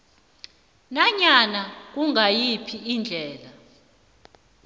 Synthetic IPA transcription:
naɲanak̬uŋajipʰiind͡ɮʱɛːla

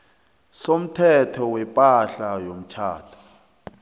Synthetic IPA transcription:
som̩tʰɛtʰɔwɛpʼaɬajom̩t͡ʃʰaːtʰḁ

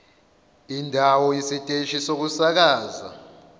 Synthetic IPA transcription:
indʱawɔisitʼeʃisok̬usak̬aːza̰

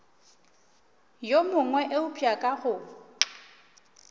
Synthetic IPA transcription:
jomʊŋwɛʔeʊpʼiakʼaɣʊ

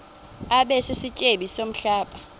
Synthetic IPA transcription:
aɓɛsisit͡ʃʼeɓisom̩ɬaːɓʼa

